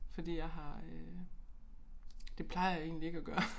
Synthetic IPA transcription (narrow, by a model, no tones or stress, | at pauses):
fɒ̽d̥ḭːjɑ̈ɪɦɑ̈ø | d̥e̝pʰlɑ̈ɪɐjɑe̝̰ːnlie̝ɡ̥æɡ̥ɶːɐ